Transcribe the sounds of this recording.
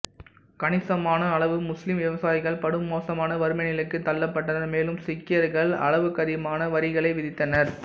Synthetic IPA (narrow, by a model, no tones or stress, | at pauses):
kɐnɪsɐmaːnɐːɭɐʋɯmʊslɪmʋɪʋɐsaːjɪɣɐɭpɐɽɯmːoːsɐmaːnɐʋɐɾɯmɐnɪlɐkːɯt̪ːɐlːɐpːɐʈːɐnɐɾmeːlɯmsɪkːɪjɐɾɣɐɭɐ̰ɭɐʋɯkɐðɪmaːnɐʋɐɾɪɣɐɭɐɪʋɪðɪt̪ːɐnɐɾ